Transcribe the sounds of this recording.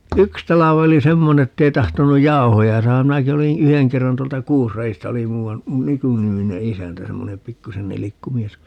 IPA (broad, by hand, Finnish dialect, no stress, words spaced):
yks tɑlɑʋ oli semːone etːei tɑhtonuj jɑu̞hojɑ sɑːhɑm minæki olĩː yheŋ kerːɑn tuoltɑ kuːsrɑistɑ oli muːɑn mykynimine isæntæ semːone pikːusen nilikːu mies